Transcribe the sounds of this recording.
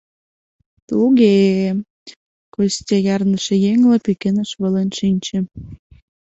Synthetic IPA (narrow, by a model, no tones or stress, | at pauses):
t̪luɣe | kostʲejɑrnəʃĕjeŋlĕpekenəʃβə̆lenʃinʲt͡ɕĕ